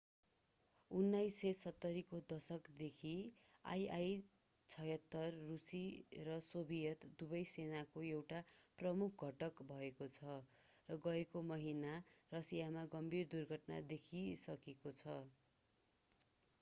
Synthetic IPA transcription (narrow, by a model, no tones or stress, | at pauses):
unːajsːesʌt̪ːʌɾikod̪ʌsʌkd̪ekʰi | a̰jaj | t͡sʰʌjʌt̪ːʌrːusirʌsobʱijʌt̪d̪ubʌjsenakoewʈaprʌmukʰɡʱʌʈʌkbʱʌekot͡sʰʌ | rʌɡʌekomʌɦinarʌsijamaɡʌmbʱird̪urɡʱʌʈna̰d̪ekʰisʌkekot͡sʰʌ